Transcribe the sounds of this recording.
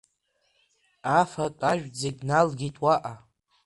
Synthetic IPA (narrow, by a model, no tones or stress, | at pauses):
afatʼaʒᶣd͡zekʲʼnalɡʲitʼwaʔa